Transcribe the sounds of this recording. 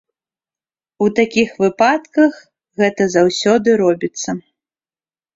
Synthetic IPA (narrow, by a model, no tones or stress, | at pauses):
ut̪akʲixvɨpat̪kɐx | ɣɛt̪ɐzawsʲɔd̪ɨɾɔbʲit̪sːɐ